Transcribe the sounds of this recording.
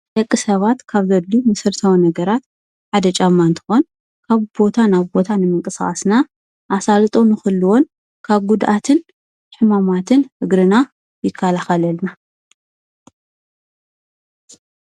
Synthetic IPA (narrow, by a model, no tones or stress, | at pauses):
ʔɐkʼːɨsɐβat̪kʰaβzɐlːumɐsɨɾt̪ʰawnɐɡɐɾat̪̚ | ħad̪ɐt͡ʃʼamːant̪ʰɨ̥xo̞n | kʰaβbo̞t̪ʰanaβbo̞t̪ʰanɨmɨŋkʼɨsɣʼasna | ʔasalt̪ʼonɨxɨlːɨwon | kʰaβɡud̪ʔat̪ʰɨn | ħɨmamat̪ʰɨnhɨɡɾɨna | jɪkʰːalaxɐlɐlna